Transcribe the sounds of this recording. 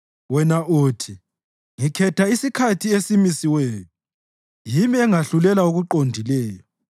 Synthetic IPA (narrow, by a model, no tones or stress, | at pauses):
wɛnaʔoːtʰi | ŋikʰɛtʰaisikʰatʰiesimisiweːju | jimiɛŋaɬulɛlauɣuǃondʱilɛːjɔ